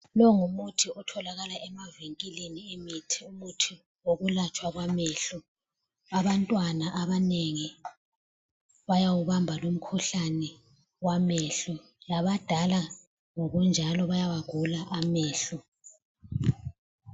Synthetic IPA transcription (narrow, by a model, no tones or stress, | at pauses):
lɔŋumutʰiɔtʰɔlaɣalaʔɛmaviŋkʼiliniemitʰiumutʰi | woɣulat͡ʃʼwaɣwamɛɬɔ | aβantʼwanaʔaβaneŋi | βajawuβambʱalom̩kʰuɬanɛ | wamɛɬɔ | laβad̥ʱala | ŋoɣund͡ʒʱalɔβajawaɡ̥ʱulaʔamɛːɬɔ